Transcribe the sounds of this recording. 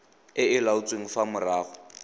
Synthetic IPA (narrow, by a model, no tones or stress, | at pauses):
ɪɪlaʊt͡sʼweŋ̩famʊraːɣɔ